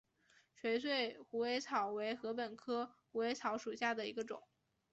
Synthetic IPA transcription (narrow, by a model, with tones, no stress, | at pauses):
ɕɥɛ˧˥ɪsʰwe˥˩ɪxu˧˥we˧˥ɪt͡sʰɑ˧˥ʊwe˧˥ɪxɤ˧˥pə˨˩nkʰɤ˥xu˧˥we˧˥ɪt͡sʰɑ˧˥ʊʂu˨˩ɕja˥˩d̪ə˩ḭ˧˥ɡə˧ʈ͡ʂʊ̰˨˩˦ŋ